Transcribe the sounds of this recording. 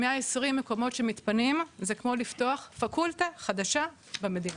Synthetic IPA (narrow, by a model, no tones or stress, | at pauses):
meaesʁimːe̞ko̞mo̞tʃemitpanimzekmo̞lifto̞aχfakultaχadaʃa | beme̞d̪ina